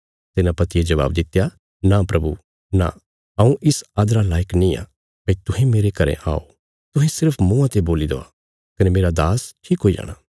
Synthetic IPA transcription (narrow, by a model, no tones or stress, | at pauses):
t̪ɪnãpɐt̪ied͡ʒɐʋa̰ːbd̪ɪt̪ːja | napɾɐbṵ | na̰ | ɐ̃ũʔɪsaːd̪ɾalaːjəknĩa̰ | pɐ̃ĩt̪ʊɦẽmeːɾekɐɾḛ̃ʔa̰ːo̰ | t̪ʊɦẽsɪɾpʰmũãt̪eboːlid̪o̰ːa̰ | kɐnemeːɾad̪aːsʈʰiːkɦoːid͡ʒa̰ːɽ̃aː